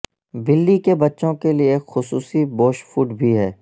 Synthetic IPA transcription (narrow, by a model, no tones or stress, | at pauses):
bɪlːikebɐtːʃõkelieːkxʊsuːsiboːʃfuːʈbʱiɦɛː